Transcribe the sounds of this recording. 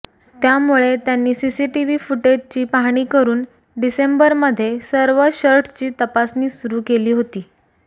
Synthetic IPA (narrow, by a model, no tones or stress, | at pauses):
t̪jamuɭet̪janːiːsisiʈiʋifuʈed͡ʑt͡ɕiːpaɦɽ̃iːkəɾuːn | ɖisembəɾməd̪ʱːjesəɾʋəɕəɾʈʰt͡ɕiːt̪əpasniːsuɾuːkeliːɦot̪iː